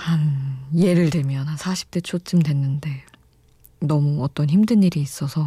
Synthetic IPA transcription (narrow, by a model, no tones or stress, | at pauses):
hanje̞ɾɯɭdemjʌnasʰaɕʰi̥p̚t͈et͡ɕʰot͡ɕ͈ɯmdwe̞nːɯnde̞ | nʌmuʌt͈ʌnçimdɯniɾiːs͈ʌsʰʌ